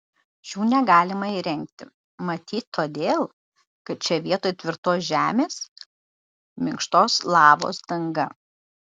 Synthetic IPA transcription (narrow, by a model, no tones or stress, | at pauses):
ʃʲuːnʲɛɡɑːlʲɪmɐiɾʲɛŋkt̪ʲɪ | mɐt̪ʲiːt̪ʲt̪ʰoːd̪ʲeːlˠ | kɐt̪̚t͡ʃʲɛʋʲiɛt̪oːjt̪ʲʋʲɪɾt̪oːsʒʲæːmʲeːs | mʲɪŋkʃt̪oːslˠɑːʋo̰ːsd̪ɐŋɡɐ